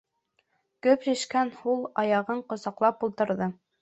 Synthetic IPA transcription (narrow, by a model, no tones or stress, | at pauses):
kɵpɾiʃkænhulˠɑjɑʁɤɴqŏzɑqlˠɑpulˠt̪ɤ̆ɾðɤ